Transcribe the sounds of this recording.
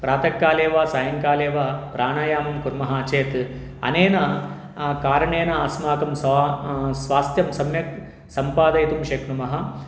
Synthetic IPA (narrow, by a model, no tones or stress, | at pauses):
pɾaːt̪ɐkːaːleːʋaːsaːjɐŋkaːleːʋaːpɾaːɳaːjaːmɐmkuɾmɐɦɐːt͡ʃeːt̪ | ɐ̰neːnɐ | kaːɾɐɳeːnɐaːsmaːkɐms | sʋaːst̪jɐmsɐmjɐk | sɐmpaːd̪ɐjit̪umʃɐkɳumɐɦɐ